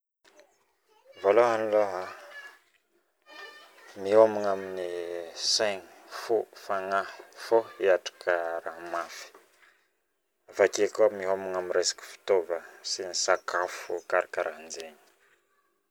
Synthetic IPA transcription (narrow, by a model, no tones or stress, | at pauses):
voloɦaniloɦa | miɦomiŋaminisajɲi̥fufaŋaifoiaʈ͡ʂḁkʰəɾaɦmafi̥ | avakekʲamiɦomiŋamiɾesḁki̥fi̥t̪ovəsinisakafukaɾakaɾʔand͡zeɲi̥